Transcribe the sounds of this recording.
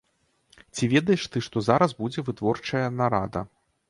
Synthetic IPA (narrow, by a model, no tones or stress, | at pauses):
t͡sʲivʲɛd̪ɐjɛʂt̪ɨʂt̪ɔzaɾɐzbud͡zʲɛvɨt̪vɔrt͡ʂɐjɐnaɾad̪ɐ̰